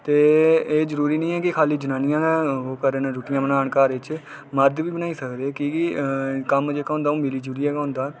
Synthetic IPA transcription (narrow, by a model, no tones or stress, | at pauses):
t̪eːeːd͡ʒəɾuːɾiːnĩːɛːkɪkʰaːliːd͡ʒənaːnɪjãːãoːkəɾənɾuːʈɪjãːbənaːəɳkaːɾɪt͡ʃ | məɾd̪ʋiːbənaːiːsəkd̪eːkɪɪkəmd͡ʒeːkaɦʊ̃nd̪aːũːmɪliːd͡ʒəɾuːɾiːɦɛːɡaɦʊ̃nd̪aː